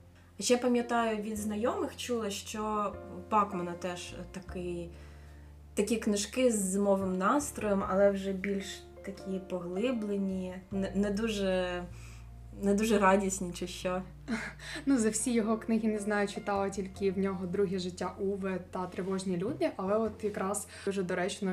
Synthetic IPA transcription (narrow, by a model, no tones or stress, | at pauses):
ɐʃjɛpɐmʲjɐt̪ɑjʊʋʲid̪znɐjɔmɪxt͡ʃulˠɐʃt͡ʃɔb̥ɑkmɐnɐt̪ɛʃt̪ɐkɪj | t̪ɐkʲiknɪʃkɪzːɪmɔʋɪmnɑst̪ɾɔjɔmɐ̰lˠɛwʒɛbʲilʲʃ | t̪ɐkʲipɔɦlˠɪblˠenʲinɛnɛd̪uʒɛ | nɛd̪uʒɛɾɑdʲisʲnʲit͡ʃɪʃt͡ʃɔ | nuzɐwsʲijɔɦɔknɪɦʲinɛznɑjʊt͡ʃɪt̪ɑlˠɪtʲilʲkɪwnʲɔɦɔd̪ɾuɦʲiʒɪtʲːaʔuʋɪt̪ɐt̪ɾeʋɔʒnʲilʲud̪ɪʔɐlˠɛɔt̪jɐkɾɑs | ʒɛd̪ɔɾɛt͡ʃnɔ